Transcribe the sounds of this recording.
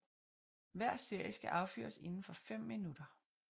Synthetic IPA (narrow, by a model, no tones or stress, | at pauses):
ʋæɐ̰se̝ɐ̰jəsɡ̥æʔɑ̈ʊfy̰ːɐse̝nn̩fɒ̽fem̰ːinud̥ɐ